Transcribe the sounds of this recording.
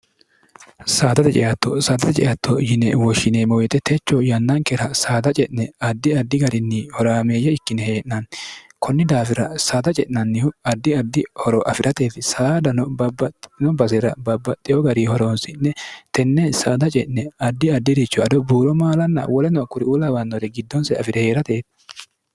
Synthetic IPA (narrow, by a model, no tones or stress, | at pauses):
saːt̪ɐt̪ɛt͡ʃʼɛ̰jɐt̪ːɔsaːt̪ɐt̪ɛt͡ʃʼɛ̰jɐt̪ːɔjɪnɛwɔʃːɪnemɔwɛt̪ɛt̪ʰɛt͡ʃːɔjɐnːɐŋkɛɾɐsaːd̪ɐt͡ʃʼɛʔnɛɐd̪ːɪɐd̪ːɪɡɐɾɪnːɪhɔɾaːmeːjːɛɪkːɪnɛheːʔnɐn | kʰɔnːɪd̪aːfɪɾɐsaːd̪ɐt͡ʃʼɛʔnɐnːɪhʊɐd̪ːɪɐd̪ːɪhɔɾɔʔɐfɪɾʔɐt̪e̞ːt̪ɪsaːd̪ɐnɔbɐbɐnɔbɐs̬ɛɾɐ̰bɐbːɐt̪ʼːɪjɔɡɐɾihɔɾonsɪnːɛt̪ɛnːɛsaːd̪ɐt͡ʃʼɛʔnɛɐd̪ːɪɐd̪ːɪd̪ɪt͡ʃːɔɐd̪ɔbuːɾɔmaːlɐnːɐ̰wɔlɛnɔkːʊɾɪuːlɐwɐnːɔɾɛɡɪd̪ːɔnsɛɐfɪɾɛhe̞ːɾɐt̪eːt̪